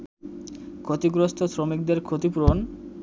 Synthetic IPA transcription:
kʰot̪iɡɾost̪ʰosɾomik̚d̪eɾkʰot̪ipuɾon

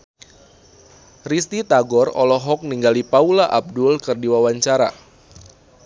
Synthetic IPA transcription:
rist̪it̪aɡɔrɔ̰lɔɦɔk̚niŋɡalipaulaʔab̚dʊlkɨrdiwawaɲt͡ʃaɾa̰

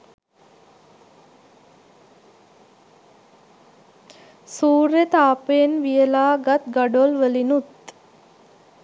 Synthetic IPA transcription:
suːɾet̪aːpenʋijəlaːɡat̪ɡaɖolʋəlinut̪

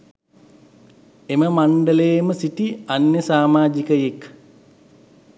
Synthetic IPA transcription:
eməmaɳɖələjːməsiʈianjəsaːmaːd͡ʒikəjek

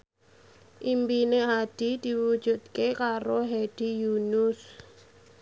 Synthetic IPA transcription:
ʔimbineɦad̥id̪̥i̤wud̥ʒ̥ṳt̪̚kekaɾoɦed̥ijunʊs

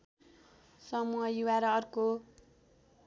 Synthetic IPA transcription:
sʌmuɦʌjuwaɾʌʌrko

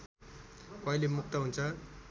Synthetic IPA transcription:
pʌilemuk̚t̪ʌɦunt͡sʰʌ

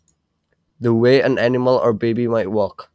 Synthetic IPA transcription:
ðəweːə̃nanɪməlˠə˞bebimaɪʔwɔk

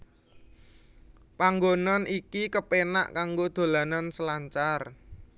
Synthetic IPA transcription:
paŋɡonanʔikikəpena̰ʔkaŋɡod̪̥o̤lanansəlaɲt͡ʃar

